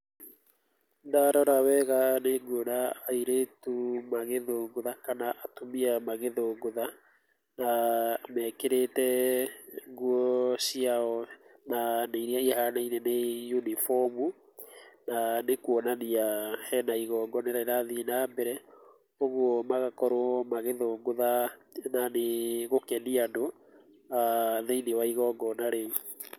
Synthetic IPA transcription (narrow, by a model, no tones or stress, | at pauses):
ndaɾɔɾawɛɣaneŋɡwɔnaːiɾetumaɣeðoŋɡoðakanaʔatomiamaɣeðoŋɡoða | namɛkeɾetɛ | ŋɡuɔsiaɔnaneiɾiaihanainɛnejunifɔmu | nanekuɔnaniahɛnaiɣɔːŋɡɔneɾaɾaðinambɛɾɛ | oɣwɔmaɣakɔɾwɔmaɣeðoɡoðananeɣokɛniando | aðeinewaiɣɔŋɡɔnaɾeu